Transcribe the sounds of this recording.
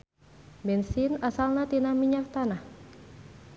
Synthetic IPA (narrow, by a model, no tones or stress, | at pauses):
bɛnsinasalnat̪inamiɲak̚t̪anah